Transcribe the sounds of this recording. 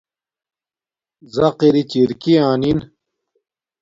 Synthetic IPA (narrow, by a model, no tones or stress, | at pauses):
zɐqiɾit͡ɕiɾkiaːnin